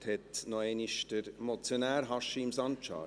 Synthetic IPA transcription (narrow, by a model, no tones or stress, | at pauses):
thɛt̪nɔeːniʃtəɾmot͡sjonæːɾɦɑʃiɪmsɑnt͡ʃɑ̰ː